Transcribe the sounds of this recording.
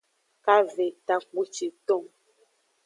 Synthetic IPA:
ka˦ve˨t̪a˨k͡pu˦t͡ʃi˨t̪ɔ˦˨ŋ

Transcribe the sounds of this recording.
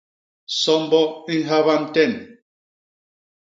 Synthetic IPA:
sɔ˦m˦bɔ˦i˦ɦa˦βa˦m̩˦tɛ˦˨n

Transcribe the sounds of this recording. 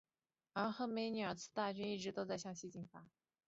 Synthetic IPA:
a˧˥xɤ˧˥me˧˥ɪny˧˩ə˞˨˩t͡sʰɹ̩˥˧t̪a˥˩t͡ɕy˥ni˥˩ʈ͡ʂɻ̩˧˥t̪o˥ʊt͡sa˥˧ɪɕjɑ˥˧ŋɕi˥˧t͡ɕi˥˩ŋfa˧˥˦

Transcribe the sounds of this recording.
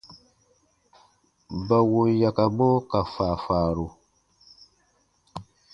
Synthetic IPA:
ba˨wo˨ja˨ka˨bo˦ka˨faː˨faː˨ɾo˨

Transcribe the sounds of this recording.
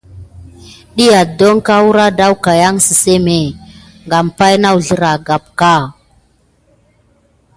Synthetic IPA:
ɗi˦ja˨do˦ŋka˦wu˦ɾa˦da˦wka˨ja˦ŋsi˨se˦me˨ | ŋɡa˨m˨pa˦jna˦wu˨ɮə˦ɾa˨ɡa˨p̚ka˦˨

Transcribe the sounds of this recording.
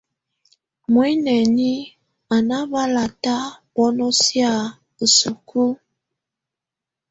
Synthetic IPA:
mwe˦nɛ˨ni˦ | a˨na˦ba˦la˨ta˦bɔ˦nɔ˦sja˦˨ | ə˨su˨kʰu˦

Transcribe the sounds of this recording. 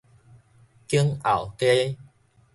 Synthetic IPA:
ki˧˦əŋa̰˨˩˨wke˦

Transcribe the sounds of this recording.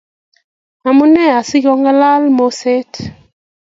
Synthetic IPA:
a˨mu˦nɛ˦˨a˨si˦kɔ˦ŋɡa˦la˦lmo˨se˦t

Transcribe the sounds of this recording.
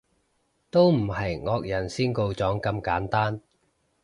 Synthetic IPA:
t̪o˥wm̩˨˩hɐ˨jŋɔː˧k̚jɐ˨˩nsiː˥nko˧wt͡sɔː˨˥ŋkɐ˧mkaː˨˥nt̪aː˥n

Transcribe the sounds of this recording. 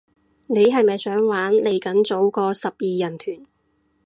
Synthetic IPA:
ne˨˧jɦɐ˨jmɐ˨jsœː˨˥ŋwaː˨˥nle˨˩jkɐ˨˥nt͡so˨˥wkɔː˧sɐ˨p̚jiː˨˧jɐ˨˩nt̪ʰyː˨˩n

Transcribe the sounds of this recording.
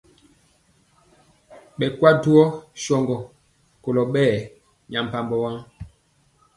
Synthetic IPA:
ɓɛ˨kwa˦tu˦ɔ˦ʃɔ˨ŋɡɔ˨ | ko˨lɔ˨ɓɛː˦˨ | ɲã˨m̩˨pa˨mbɔ˨wa˦ŋ

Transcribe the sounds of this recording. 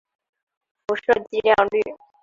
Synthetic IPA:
fu˧˥ʂɤ˥˧t͡ɕi˥˧ljɑ˥˧ŋly˥˩

